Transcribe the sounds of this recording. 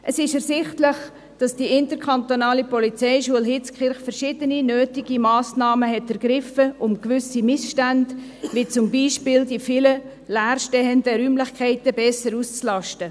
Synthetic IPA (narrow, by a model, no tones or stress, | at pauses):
ʔəsɪʃɛrsɪχtləχ | d̥ɑsd̥iɪntəɾkʰɑnt̪onɑːlipɔlit͡sɛɪʃuəlɦɪt͡skχɪɾχfəɾʃɪd̥əninøːtiɡ̥imɑːsnɑːməɦɛtɛɾɡ̥ɾɪfəʔʊmkvʏsimɪsʃtændvit͡sʊmbiːʃpɪːldifɪlə | læːrʃtɛəndəɾyːmlɪχkʰɛɪtəbɛsəɾust͡slɑʃtə